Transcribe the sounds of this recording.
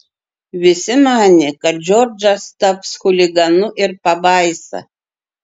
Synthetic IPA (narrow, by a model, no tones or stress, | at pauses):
ɥɪsɪmaːnʲɪkad͡ʒord͡ʒast̪apsxulʲiɡanuʔɪrpabaːjsa̰